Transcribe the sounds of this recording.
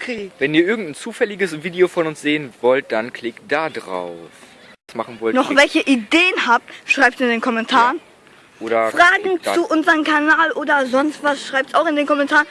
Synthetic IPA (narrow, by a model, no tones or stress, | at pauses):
kʰvɛniːɐʔɪɐɡŋ̩tn̩t͡suːfɛlɪɡəsviːdeofɔnʊnsz̥eːənvɔlt̚d̥ankʰl̥ɪktd̥adʁa̰ʊf | asmaχn̩vɔlnɔχvɛlçəʔideːənhaːp̚tʃʁ̥aɪptsɪndeːnkʰɔmɛntʰaːʁən | ʔoːɾɐfʁ̥aːɡŋ̩t͡suʔʊnzəʁəmkʰanaːlʔoːdɐzɔnstv̥asʃʁ̥aɪp̚tsaʊxɪndeːnkʰɔmɛntʰaːʁən